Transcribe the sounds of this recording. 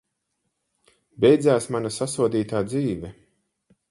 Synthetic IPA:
bʲɛjd̪zaːsmanasasuɔd̪iːt̪aːd̪ziːvɛ

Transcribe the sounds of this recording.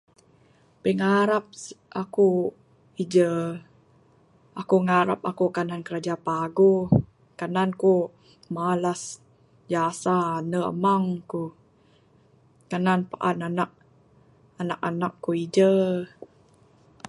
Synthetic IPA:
pəŋaɾap̚ʔaku | id͡ʒə | akuŋaɾap̚akukanankəɾad͡ʒapaɡu | kananku | malas | d͡ʒasanəə̰maŋku | kananpaʔananaʔ̚ | anak̚anakːuid͡ʒə

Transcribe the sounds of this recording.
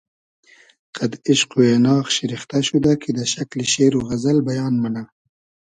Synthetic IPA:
qad̪ɪʃquenɑːxʃɪɾixt̪aʃud̪akid̪əʃakliʃeːɾoɣazalbajɑːnmana

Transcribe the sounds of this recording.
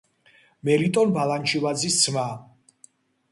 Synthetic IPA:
mɛlit̪ʼɔnbalant͡ʃʰivad̪zist̪sʰma

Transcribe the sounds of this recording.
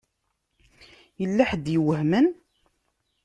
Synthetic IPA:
jəlːæħəd̪jəwəhmən

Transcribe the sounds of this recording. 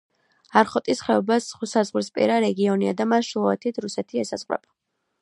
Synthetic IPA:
aɾχɔt̪ʼisχɛɔbasχusazʁɾispʼḭɾaɾɛɡiɔniad̪amaʃulˠɔɛt̪ʰit̪ʰɾusɛt̪ʰiɛsaz̥ʁʼwɾɛ̰b̥a

